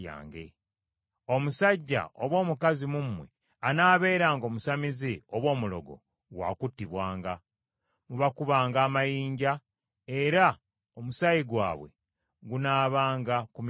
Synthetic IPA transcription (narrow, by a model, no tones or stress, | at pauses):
a̰ːŋɡḛ | o̞musaɟːa̰oβwo̞ːmukazimumːwḛ | anaːβe̞ːɾaːŋɡo̞ːmusamizioβwo̞ːmulo̞̰ɡo̞̰ | ɡwa̰ːkutːiβwaːŋɡa | muβakuβaːŋɡaːmajiːɲɟa | e̞ɾa | omusajiɡwa̰ːβwe̞̰ | ɡunaːβaːŋɡakum